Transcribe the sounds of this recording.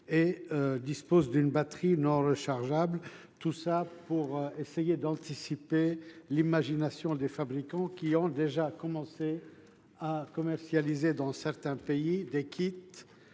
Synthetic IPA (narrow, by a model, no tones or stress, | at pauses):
eød̪ispozd̪ynbat̪χinɔ̃ʁəʃaʁʒabl | t̪usapuʁesejed̪ɑ̃t̪isipelimaʒinasjɔ̃d̪efabʁikɑ̃kʲiɔ̃d̪eʒakɔmɑ̃se | akɔmɛʁsjalized̪ɑ̃sɛʁt̪ɛ̃peid̪ekʰʲit̪